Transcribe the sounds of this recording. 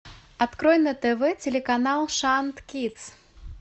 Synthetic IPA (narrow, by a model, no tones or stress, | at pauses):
at̪kɾɔjnɐt̪ɛvɛt͡sʲɛlʲɛkanalˠʂant̪kʲit̪s